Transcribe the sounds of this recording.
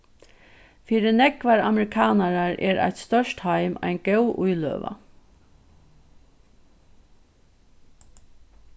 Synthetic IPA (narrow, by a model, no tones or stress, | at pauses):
fiːɾɪnɛkʋaɾa̰mɾɪkʰɑːnaɾaɹɛ̰ːɾʔa̰ɪt̪st̪œʂthaɪma̰ɪnɡ̥ɛwʔʊjlø̰ːʋa̰